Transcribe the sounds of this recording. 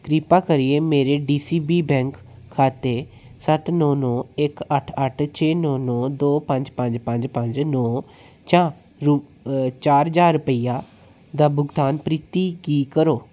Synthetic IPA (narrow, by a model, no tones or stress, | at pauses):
kɾiːpaːkəɾɪeːmeːɾeːɖiːsiːbiːbɛ̃ːŋkʰː | aːt̪eː | sət̪nɔ̃ːnɔ̃ːɪkəʈʰəʈʰt͡ʃʰeːnɔːnɔ̃ːd̪oːpəɲd͡ʒpəɲd͡ʒpəɲd͡ʒpə̃ɲd͡ʒnɔː | t͡ʃãː | ɾut͡ʃaːɾd͡ʒaːɾːʊpəiːaː | d̪aːbʊɡd̪aːnpɾiːt̪iːkiːkəɾoː